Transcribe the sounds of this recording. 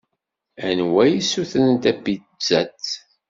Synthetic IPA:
ænwæjisuθənnt̪æbi | zæt͡sː

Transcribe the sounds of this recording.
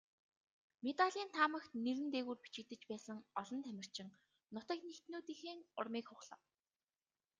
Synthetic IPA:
met̪aɮʲiːnt̪ʰaːmə̆xt̪neɾɘ̆nt̪eːɣuːrpi̥t͡ɕɪ̆kt̪ɘ̆t͡ɕpæːsə̆ŋɔɮɞ̆nt̪ʰæmʲɪ̆r̥t͡ɕɪ̆ŋ | nʊt̪ə̆knext̪nuːt̪iːxeːŋʊrmiːkχʊχɮə̆w

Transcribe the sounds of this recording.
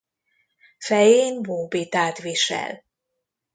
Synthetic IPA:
fɛjeːnvoːbet̪aːt̪ʋiʃɛ̰l

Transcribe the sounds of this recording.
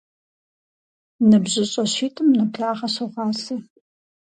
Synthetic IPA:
nɨbʑɪɕʼɐɕiːtʼɨmnɨpɬaːʁɐɕɐʁɑːsɐ

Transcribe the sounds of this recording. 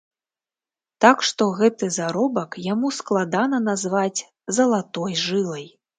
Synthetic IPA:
t̪akʂt̪ɔɣɛt̪ɨzaɾɔbɐkjamusklˠad̪anɐnazvat͡sʲ | zɐlˠat̪ɔjʐɨlˠɐj

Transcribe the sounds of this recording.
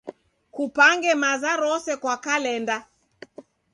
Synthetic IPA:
kupaŋɡɛmazaɾɔsɛkwakalɛnda

